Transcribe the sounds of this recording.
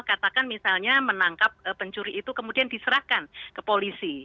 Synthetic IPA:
kat̪akanmisalɲamənaŋkap̚əpəɲt͡ʃuɾiːt̪ukəmudiandisəɾahkankəpolisi

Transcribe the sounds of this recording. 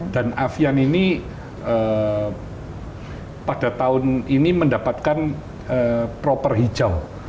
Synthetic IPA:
d̥anafianini | əː | pad̥at̪aʊniniməndapat̪̚kan | əpɾopərɦid͡ʒaw

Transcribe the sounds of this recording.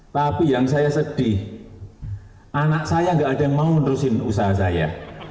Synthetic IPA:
t̪apijaŋsajasəɖ̥i | ʔanaʔsajaŋɡaʔːd̥aŋmaunɾʊsɪnusaɦas̬aja̰

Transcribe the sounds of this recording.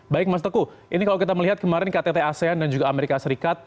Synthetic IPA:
baɪk̚mas̬at̪əku | ʔinikalok̬it̪aməliɦat̪̚kəmaɾɛnkat̪et̪easeandand͡ʒuɡaːmeɾikasəɾikat̪̚

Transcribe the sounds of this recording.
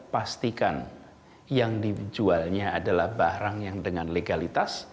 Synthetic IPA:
past̪ikan | jaŋdid͡ʒualɲaːdalahbaɾaŋjaŋdəŋanleɡalit̪as

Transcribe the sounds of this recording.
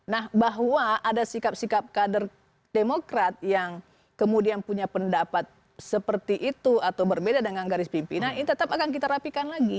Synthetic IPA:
nahbaɦwaʔadasikap̚sikap̚kadər | demokɾat̪̚jaŋ | kəmudianpuɲapəndapat̪̚ | səpərt̪iʔit̪uat̪awbərbedadəŋanɡaɾɪspimpinaninit̪ət̪apakank̬it̪aɾapikanlaɡi

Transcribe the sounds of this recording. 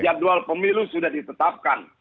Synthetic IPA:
d͡ʒadualpəmilusudahdit̪ət̪ap̚ka̰n

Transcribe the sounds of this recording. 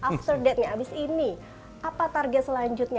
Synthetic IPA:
ʔaft̪ərdɛt̪̚ɲaːbɪsini | ʔapat̪arɡɛt̪̚səlaɲd͡ʒut̪̚ɲa

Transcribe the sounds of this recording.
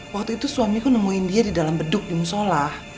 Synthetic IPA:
wak̚t̪uit̪usuamikunəmuindiadidalambədʊk̚dimusolah

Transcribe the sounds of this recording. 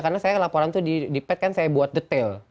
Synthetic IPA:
karnasajalapoɾant̪udidipɛt̪̚kansajabuat̪̚dət̪ɛl

